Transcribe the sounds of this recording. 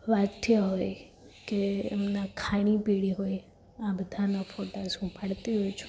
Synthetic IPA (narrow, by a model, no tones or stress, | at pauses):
ʋat̪ʰjaɦoj | kḛːmnakʰaɽ̃ipiɽiɦoj | ãbəd̪ʱanafoʈasũpaɽt̪iɦojt͡ʃʰũ̥